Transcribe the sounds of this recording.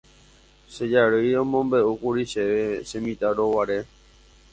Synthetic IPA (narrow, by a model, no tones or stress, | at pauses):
ʃe̞d͡ʒaɾojɾõmõ̞mbe̞ukuɾiʃeʋe̞ʃẽmĩt̪aɾowaɾe̞